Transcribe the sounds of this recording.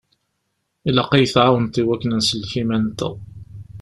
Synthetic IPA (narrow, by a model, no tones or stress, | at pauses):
ilɑqːijθʕawənt̪iwækːənænsəlçimænt̪ə̰